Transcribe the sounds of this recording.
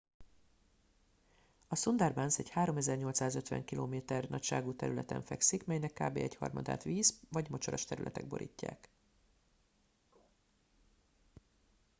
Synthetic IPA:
ɒsond̪arbansɛchaːɾo̞mɛzɛrɲo̞lt̪saːzøt̪ʋɛ̰ŋkilʔoːmeːt̪ɛrnɒcʃaːɡuːt̪ɛɾylɛt̪ɛ̰ɱfɛksikmɛjnɛkːaːbḛːɛchɒ̰rmɒd̪a̰ːt̪ʋiːzvɒɟmo̞t͡ʃoɾɒʃt̪ɛɾy̰lʔɛt̪ɛɡ̚boɾʔḭːcːa̰ːk

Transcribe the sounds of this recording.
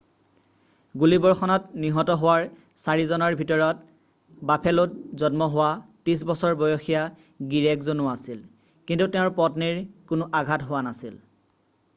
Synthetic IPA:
ɡulibɔɹxɔnɔtniɦɔtɔɦowaɹ | saɹizɔnɔɹbʱitɔɹɔt̚ | bapʰɛlʊt̚zɔnmɔɦʊwatis̬bɔsɔɹbɔjɔxija | ɡiɹɛkzonʊasil | kintutɛʊ̃ɹpɔtniɹkʊnʊʔaɡʱatɦʊwanasil

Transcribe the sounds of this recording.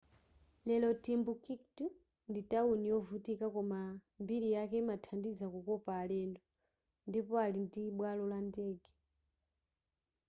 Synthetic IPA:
lɛlɔtimbukiktu | nditaunijɔvutikakɔma | mbiɾijakɛimatʰandizakukɔpaːlɛndɔ | ndipɔalindiɓwalɔlandɛɡɛ

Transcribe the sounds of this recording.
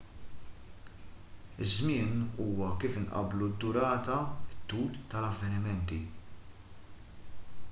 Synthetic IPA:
ɪzmɪːnuːwɐkiːfɪnʔɐ̰blud̪ːʊɾɐːt̪ɐɪt̪ːuːlt̪ɐlɐvːɛnɪmɛnt̪i

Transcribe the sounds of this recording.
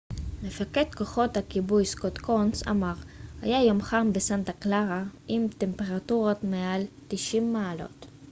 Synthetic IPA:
mefaket̪ko̞χo̞t̪hakibujskot̪konsa̰maʁha̰jajomχambesant̪aklaʁaʔimt̪e̞mpe̞ʁat̪uʁotmealt̪iʃimːaːlo̞̰t̪

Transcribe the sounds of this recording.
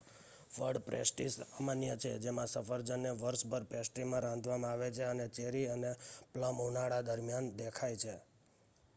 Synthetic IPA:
ʋəɖpɾḛsʈisəmənjət͡ʃʰed͡ʒemãsəfəɾd͡ʒənːeʋəɾʃbəɾpesʈɾimãɾãnd̪ʱʋamãaʋet͡ʃʰeənet͡ʃeɾiənepləmunaɽad̪əɾmjand̪ekʰajt͡ʃʰe

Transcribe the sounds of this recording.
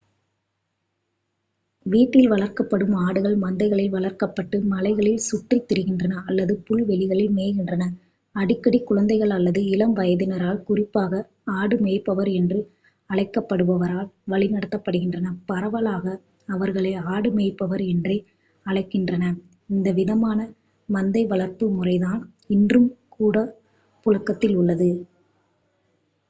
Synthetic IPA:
ʋiːʈːɪlʋɐɭɐɾkɐpːɐɽɯmaːɽɯɣɐɭmɐnd̪ɐɪɣɐɭɪlʋɐɭɐɾkɐpːɐʈːɯmɐlɐɪɣɐɭɪlsʊʈrit̪ːɛɾɯɣɪndrɐnɐɐlːɐðɯpʊlʋɛɭɪɣɐɭɪlmeːɣɪndrɐnɐ | ɐɽɪkːɐɽikːʊɻɐnd̪ɐɪɣɐɭɐlːɐðɯɪlɐmʋɐjɐðɪnɐɾaːlkʊrɪpːaːɣɐ | aːɽɯmeːpːɐʋɐɾɛndrɯ | ɐɭɐɪkːɐpːɐɽɯʋɐʋɐɾaːlʋɐɭɪnɐɽɐt̪ːɐpːɐɽɯɣɪndrɐnɐpɐɾɐʋɐlaːɣɐː | ʋɐɾɣɐɭɐɪaːɽɯmeːɪpːɐʋɐɾɛndrɐɪ | ɐɭɐɪkːɪndrɐnɐ | ɪnd̪ɐʋɪðɐmaːnɐ | mɐnd̪ɐɪʋɐɭɐɾp̪ɯmʊrɐɪðaːn | ɪndrɯmkuːɽɐ | pʊɻɐkːɐt̪ːɪlʊɭːɐðɯ

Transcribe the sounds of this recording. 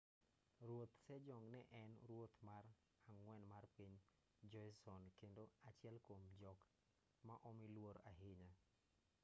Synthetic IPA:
rwot̪sɛd͡ʒɔŋnɛʔɛnɾwot̪mar | aŋwɛnmarpiɲ | d͡ʒɔjsɔnkendoat͡ʃɪɛlkomd͡ʒɔk | maʔɔmilwoɾaɦɪɲa

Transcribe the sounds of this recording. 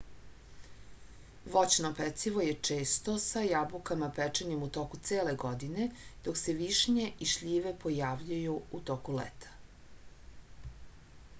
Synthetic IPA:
ʋo̞t͡ɕnopɛt̪siʋo̞jet͡ʂeːst̪o̞sajabukamapɛt͡ʂeɲemut̪o̞kut̪seːleɡod̪ine̞d̪̥okse̞ʋiʃɲeʔiʃʎiːʋepojaːʋʎujuut̪okulḛt̪ʰḁ

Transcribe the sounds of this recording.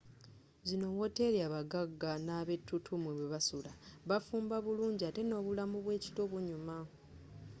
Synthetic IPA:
zino̞wo̞te̞ɾjaβaɡaɡːanaːβe̞tʰːutʰumweβweβasulaβafuːmbaβuluːɲɟiate̞no̞ːβulamuβwe̞ːci̥to̞βuɲuma

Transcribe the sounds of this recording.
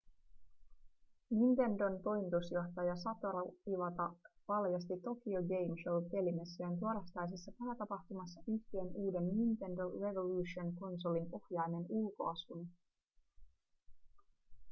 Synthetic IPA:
nint̪e̞ndo̞nt̪o̞jmit̪usjo̞xt̪ɑjɑsɑt̪oɾɑiʋɑt̪ɑʋɑljɑst̪it̪o̞kioɡe̞jmʃowk̪e̞limesːɑnt̪uoɾɑst̪ɑjs̬esːɑpæːt̪ɑpɑxt̪umɑsːɑʔyht̪ienuːde̞nːint̪e̞ndo̞re̞ʋo̞luːʃionko̞nso̞linpo̞hjɑjne̞nulko̞ɑsun

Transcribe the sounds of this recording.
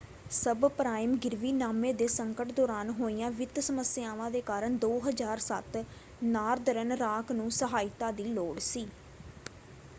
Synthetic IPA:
səbpɾaːɪmɡɪɾʋiːnaːmẽːd̪eːsəŋkəʈd̪oːɾaːnɦoːijãːʋɪt̪səməsɪaːʋãːd̪eːkaːɾəɳd̪oːɦəzaːɾsət̪ | naːɾd̪əɾənɾaːknũːsəɦaːɪt̪aːd̪iːloːɽsiː

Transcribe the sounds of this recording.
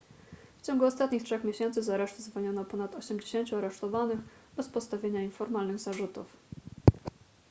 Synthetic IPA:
ft͡ɕɔ̃ŋɡuɔst̪at̪̚ɲixtʂɛxmʲjeɕɛnt̪sɘzaɾɛʂt̪zvɔɲɔnɔpɔnat̪ɔɕɛmd͡ʑeɕeɲt͡ɕuaɾɛʂt̪ɔvanɘxbɛspɔt̪st̪avʲjeɲainfɔɾmalnɘɣzaʐut̪ṵf

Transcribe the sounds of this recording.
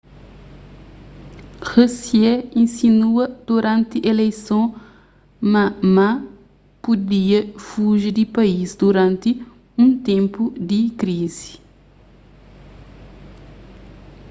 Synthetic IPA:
xosjɛĩnsinuɐd̪̥uɾɐ̃nt̪iʔelejsɐ̃ | mɐma | pud̪iɐfuʒid̪ipɐisd̪uɾɐ̃nt̪i | ũnt̪ẽmpud̪ikɾizi̥

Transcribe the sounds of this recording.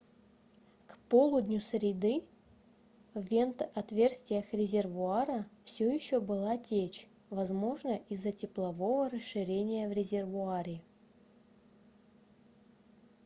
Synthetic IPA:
kpolˠʊd̪ʲnʲʊsɾʲɪd̪ɨ | vːʲe̞nt̪ɐt̪vʲe̞rsʲt̪ʲvʲɪjəxɾʲɪzʲɪrvʊaɾəfsʲɵjɪɕːobɨlˠatʲet͡ɕ | vɐzmo̞ʐnəʔizːətʲɪplˠɐvo̞vəɾəsʂɨɾʲenʲɪjəvɾʲɪzʲɪrvʊaɾʲɪ

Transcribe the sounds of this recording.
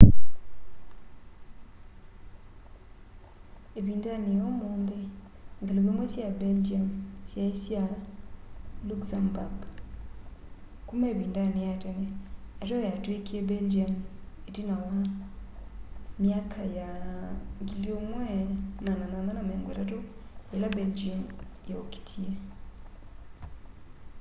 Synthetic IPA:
eβiːndanejomoːnðe | ŋɡeloβemwɛsjabeld͡ʒamsjaesja | luksambaɡ | kumaeeβiːndanejatenɛatojatwekiebend͡ʒiametinawa | mjakʰaja | ŋɡiliomwɛnananananameːŋɡwḛtatoelabeld͡ʒamjaoki̥tʰie

